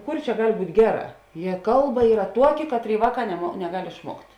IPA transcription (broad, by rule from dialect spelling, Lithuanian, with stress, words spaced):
ˈkʊr t͡ʃʲɛ ˈɡɐlʲ ˈbuːtʲ ˈɡʲæːˌrɑː jiɛ ˈkɐlˠˌbɐ ˈiːrɐ ˈtuɔkʲɪ ˈkɑːtʲˌrʲeːɪ ˈʋɑːˌkɑː nʲɛmoː nʲɛˈɡɐlʲ ɪʃˈmuɔktʲ